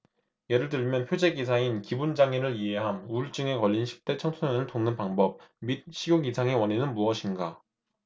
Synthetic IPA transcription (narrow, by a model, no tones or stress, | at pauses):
je̞ɾɯɭt̬ɯɭmjʌnpʰjod͡ʑe̞ɡisʰainkibund͡ʑaŋeɾɯɾie̞ɦanuɭt͡ɕ͈ɯŋe̞kʌʎːinɕʰi̥p̚t͈e̞t͡ɕʰʌŋtʰojʌnɯɭtoŋnɯnpaŋbʌp̚mit̚ɕʰiɡjoɡisʰaŋe̞wʌɲinɯnmuʌɕʰinɡa